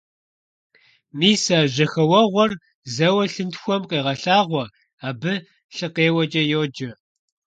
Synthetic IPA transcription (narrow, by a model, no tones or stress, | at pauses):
miːsaːʑɐxɐwɐʁʷɔr | zɐwɐɬɨntxʷɔmqeːʁɐɬaːʁʷɔ | aːbɨ | ɬɨqeːwɐd͡ʒʼɐjoːd͡ʒɐ